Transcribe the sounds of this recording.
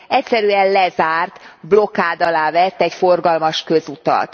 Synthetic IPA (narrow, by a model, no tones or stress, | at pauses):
ɛcsɛɾyɛnlɛzaːrt̪blo̞kaːd̪ɒlaːvɛt̪ːɛcfo̞rɡɒlmɒʃkø̞zut̪ɒ̰t̪